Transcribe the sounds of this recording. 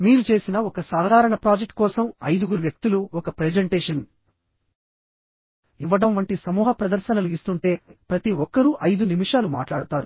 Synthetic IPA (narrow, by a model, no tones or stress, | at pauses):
miːɾut͡ʃe̞ːsinɐɔkɐsaːɦd̪ʱaːɾɐɳɐpɾaːd͡ʒek̚ʈ̚kɔːsɐmɐjd̪uɡuɾuʋjɐk̚t̪uluɔkɐpɾed͡ʒeɳʈeːʂɐn | iʋːɐɽɐmʋɐɳʈisɐmuːɦɐpɾɐd̪ɐɾʃɐnɐluist̪uɳʈe̞ːpɾɐt̪iɔkːɐɾuʔɐjd̪unimiʂaːluma̰ːʈlaːɽut̪aːɾu